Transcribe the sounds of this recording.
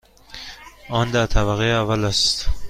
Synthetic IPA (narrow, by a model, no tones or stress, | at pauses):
ʔɒːnd̪æɾt̪ʰæβæɣeævælæst̪